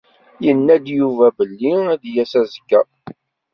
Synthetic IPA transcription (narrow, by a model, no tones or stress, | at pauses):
jənːæd̪juvæbəlːiæd̪jæsæzəkːæ